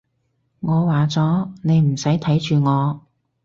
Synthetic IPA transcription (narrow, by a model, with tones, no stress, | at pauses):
ŋɔː˨˧waː˨t͡sɔː˨˥ne˨˧jm̩˨˩sɐ˨˥jt̪ʰɐ˨˥jt͡ʃyː˨˧ŋɔː˨˧